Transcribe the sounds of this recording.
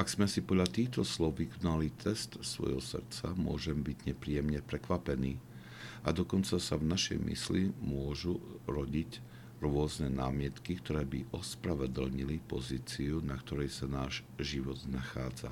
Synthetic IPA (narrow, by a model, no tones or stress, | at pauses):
ʔaɡz̥mɛsipɔdʎat̪iːxt̪ɔslɔʊʋikɔnalit̪ʰɛst̪sʋɔ̰jɦɔsr̩t͡samʊɔ̰ʒɛmbiɟɲɛpɾiːjɛmɲɛpɾɛkʋapɛniː | ad̪ɔkɔnt͡sasavnaʃɛ̰jmʔḭslimʊɔʒuɾɔɟic | ɾʊɔznɛnaːmɪɛt̪kikt̪ɔɾɛːbiʔɔspɾaʋɛd̪l̩ɲilipɔziːt͡siunakt̪ɔɾɛjsanaːʒ | ʒiʋɔd̪naxaːd͡za̰